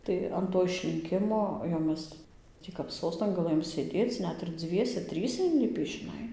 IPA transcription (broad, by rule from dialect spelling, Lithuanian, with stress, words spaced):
tɐɪ ɐn ˈtoː ɪʃʲlʲɪŋʲˈkʲɪmoː jɛʊ ˈmʲɛs ˈtʲiː kɐp ˈsoːstɐn ɡɐˈlˠɘjoːm sʲeːˈdʲeːt͡s ˈnʲɛt ɪr ˈd͡zʲʋʲiɛsʲɛ ˈtʲrʲiːsʲɛ ɪnʲˈlʲɪpʲiː ʒʲɪˈnɐɪ